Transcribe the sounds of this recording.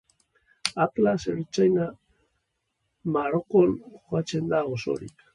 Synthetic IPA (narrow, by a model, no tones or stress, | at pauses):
aklaseɾut͡ʃajna | maɾokonxoɣat͡ʃend̪aoso̰ɾḭk